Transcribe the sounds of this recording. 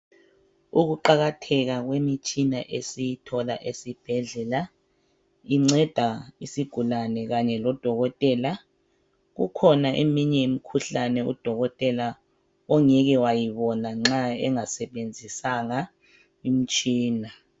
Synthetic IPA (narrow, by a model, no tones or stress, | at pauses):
uɣuǃaɣatʰɛɣ̬aɣwemit͡ʃʼinaʔesijitʰɔlaʔesib̥ʱɛɮɛla | iŋ͡ǀɛd̥ʱaisiɡ̥ʱulanɛɣaɲɛlɔd̥ʱɔɣɔtʼɛla | ɣṵkʰɔnaʔḛmiɲɛjimikʰuɬanɛṵd̥ʱɔɣɔtʼɛla | ɔŋɛɣɛwajiβɔnaŋ͡ǁaɛ̰ŋasɛɓend͡zʱisaŋa | im̩t͡ʃʼiːna